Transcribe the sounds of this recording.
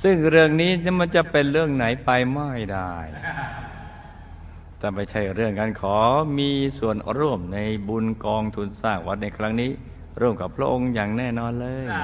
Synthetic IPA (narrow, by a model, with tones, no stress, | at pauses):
sɯ˥˩ŋɾɯ˥˩əŋniː˦˥n˥ma˧˥nt͡ɕa˨˩pe˧nɾɯ˥˩əŋna˩˦jpa˧jma˥˩jdaː˧˩j | t̪ɛː˨˩ma˧˩jt͡ɕʰa˥˩jɾɯ˥˩əŋka˧nkʰɔː˩˦miː˧su˨˩ənɾu˥˩əmna˧jbu˧nkɔː˧ŋt̪ʰu˧nsaː˥˩k̚wa˦˥t̪̚na˧jkʰɾa˦˥ŋniː˦˥ | ɾu˥˩əmka˨˩pʰːɾa˦˥ʔo˧ŋjaː˨˩ŋnɛː˥˩nɔː˧nlɤː˧j